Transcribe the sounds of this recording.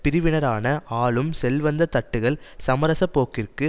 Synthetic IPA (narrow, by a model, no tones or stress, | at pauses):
pɪɾɪʋɪɳɐɾaːnɐʔaːɭɯmsɛlʋɐnd̪ɐt̪ɐʈːɯɣɐɭsɐmɐɾɐsɐpːoːkɪrkɯ